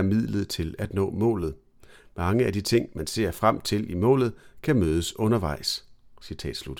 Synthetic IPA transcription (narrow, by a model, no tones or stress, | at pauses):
ɐmið̰ˠləð̞̩ˠt͡sʰe̝læd̥nɔ̰̽ːmɔ̰̽ːlð̩ˠ | mɑ̈ŋəæd̥it͡sʰe̝ŋ̰mænse̝̰ɐ̰fʁam̰t͡sʰe̝limɔ̰ːlð̞̩ˠkʰæmøːð̞ˠəsɔ̽nɐʋɑ̈ɪ̰ssit͡sʰɛ̰ːd̥slud̥